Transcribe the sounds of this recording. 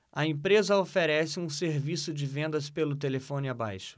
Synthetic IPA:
ɐẽpɾezɐofeɾɛsɪũseɾvisʊd͡ʒɪvẽnd̪ɐspelʊt̪elefõnɪaba̰jʃʊ̥

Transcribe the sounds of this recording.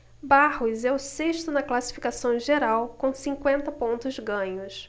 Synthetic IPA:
bahʊzɛʊseʃt̪ʊnɐklasi̥fikasɐ̃w̃ʒeɾawkõsĩŋkwẽnt̪ɐpõnt̪ʊzɡɐ̃ɲʊs

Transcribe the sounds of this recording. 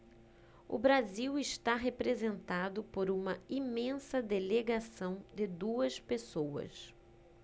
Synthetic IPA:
ʊ̰bɾaziwɪʃt̪aɦepɾezẽnt̪ad̪ʊpoɾũmɐimẽsɐd̪eleɡasɐ̃w̃d̪ɪd̪uɐspesowɐ̰s

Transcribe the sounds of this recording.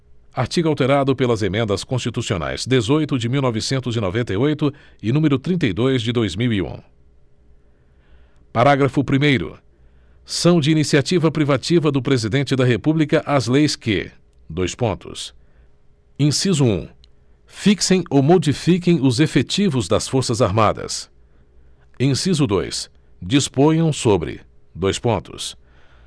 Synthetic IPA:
aɾt͡ʃiɡʊawt̪eɾad̪ʊpelɐzemẽnd̪ɐskõst͡ʃit̪usio̰na̰jz̥d̪ezojt̪ʊd͡ʒɪmiwnɔvɪsẽnt̪ʊzino̰vẽnt̪ejojt̪ʊ | ɪnũmeɾʊt̪ɾĩnt̪ejd̪ojzd͡ʒɪd̪ojzmiwiṵ̃ | paɾaɡɾɐfʊpɾimejɾʊ̰ | sɐ̃w̃d͡ʒɪinisiat͡ʃivɐpɾivat͡ʃivɐd̪ʊpɾezid̪ẽnt͡ʃɪd̪ɐɦepublikɐʔazlejskɪ̰ | d̪ojspõnt̪ʊ̰s | ẽsizʊṵ̃ | fiksẽj̃omod͡ʒifik̬ẽj̃ʊzefet͡ʃivʊzd̪ɐsfoɾsɐzaɾmad̪ɐ̰s | ẽsizʊd̪o̰js | d͡ʒispõjɐ̃w̃sobɾɪ̰d̪ojspõnt̪ʊ̰s

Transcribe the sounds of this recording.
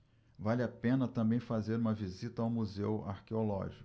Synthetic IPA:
valʲapẽnɐt̪ɐ̃bẽj̃fazeɾũmɐvizit̪ɐawmuzewa̰ɾkeolɔ̰ʒikʊ

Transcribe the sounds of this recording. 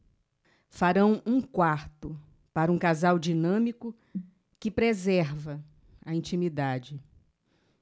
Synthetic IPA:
faɾɐ̃w̃ũkwaɾt̪ʊ | paɾɐũkazawd͡ʒinɐ̃mikʊ | kɪpɾezɛɾvɐ | ɐĩnt͡ʃĩmid̪ad͡ʒɪ

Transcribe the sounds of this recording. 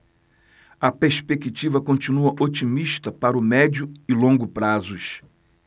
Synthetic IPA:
ɐpeɾspekit͡ʃivɐkõnt͡ʃinuɐʔot͡ʃimiʃt̪ɐpaɾʊmɛd͡ʒʊɪlõŋɡʊpɾazʊʃ

